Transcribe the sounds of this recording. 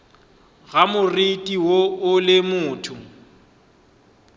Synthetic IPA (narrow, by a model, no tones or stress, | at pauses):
ɣamʊritʼiwoʊlɪmʊːtʰʊ